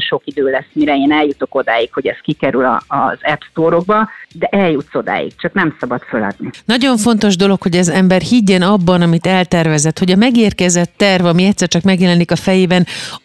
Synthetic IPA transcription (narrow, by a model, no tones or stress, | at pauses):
ʃo̞kid̪øːlɛsmiɾɛeːnɛljut̪oko̞d̪aːjikho̞ɟɛskikɛɾylɒ̰ːzɛpst̪oːɾo̞ɡ̚bɒd̪ɛʔɛljut̪so̞d̪a̰ːjḭk̚t͡ʃɒknɛmsɒbɒt̪følɒ̰d̪ninɒɟo̞ɱfo̞n̪t̪o̞ʒd̪o̞lo̞kho̞ɟɒzɛmbɛrhiɟːɛnɒbːɒnɒmit̪ɛlt̪ɛrvɛzɛt̪ho̞ɟɒmɛɡeːrkɛzɛt̪ːɛrvɒmiɛct̪sːɛrt͡ʃɒkmɛɡjɛlɛnikɒfɛjeːbɛn